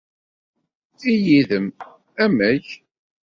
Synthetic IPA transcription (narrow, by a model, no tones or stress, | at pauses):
ijiðəm | æmæç